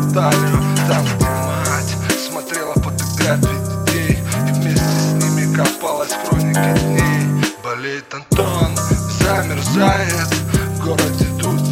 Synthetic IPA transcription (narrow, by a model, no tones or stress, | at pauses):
t̪alʲʊt̪amd̪ʲɪmatʲsmɐt̪ɾʲelˠəpət̪ɨklʲat̪ɾʲɪdʲɪtʲejivmʲesʲtʲɪsʲsʲnʲimʲɪkɐpalˠəsʲkɾonʲɪkɪd̪ʲnʲejbɐlʲejɪt̪ɐnt̪onzamʲɪrzajɪt̪ɡolˠəd̪ʲɪd̪u